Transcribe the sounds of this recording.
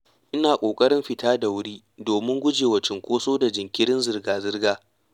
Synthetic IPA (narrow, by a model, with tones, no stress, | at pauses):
ʔɪ˦naː˨kʷʼoː˨kʼɐ˦ɽɪ˦mɸɪ˨taː˦da˨wʊ˦ɽiː˦ | doː˨mɪ˦ŋɡʷʊ˦d͡ʒeː˨wɐ˨t͡ʃɪ˨ŋkʷoː˦soː˦da˨d͡ʒɪ˨ŋkʲɪ˦ɽɪ˦nzɪ˨rɡaː˨zɪ˦rɡaː˦